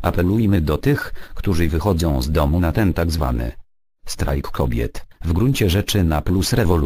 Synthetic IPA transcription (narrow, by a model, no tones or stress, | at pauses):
ʔapɛlujmɘd̪ɔt̪ɘxkt̪uʐɘvɘxɔd̪zɔ̃w̃zd̪ɔmunat̪ɛnt̪aɡzva̰nɘ̰ | st̪ɾa̰jkːʰɔbʲjɛ̰t̪vɡɾuɲt͡ɕɛʐɛt͡ʂɘnaplusɾɛvɔl